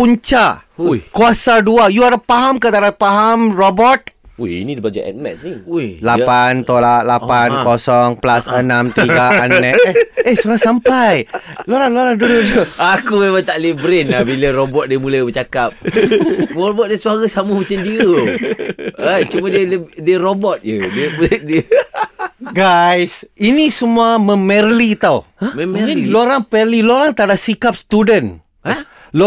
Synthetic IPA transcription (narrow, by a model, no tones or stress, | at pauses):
puɲt͡ʃakuasaduajuaɾapaɦamkat̪aɾapaɦamrobɔt̪̚eḭnidəbad͡ʒa̰ɛ̰t̪̚mɛ̰t̪snilappant̪olat̚lapankɔsɔŋplasənamt̪iɡaannɛehsuɾasampajlaɾaŋloaɾaŋdududokumemãŋt̪aʔlibɾɪnabiləɾobɔt̪̚diəmuləbət͡ʃakap̚ | məɾobɔt̪̚diəsuaɣəsaməmat͡ʃamdiʊ | ət͡ʃumadiələdiərobɔt̪̚jədiəbɾɪt̪̚diə | ɡajsinĩsəmuaməmɛrlit̪aw | məmɛiloɾaŋpɛliloɾaŋt̪adaʔsikap̚st̪udən | a | l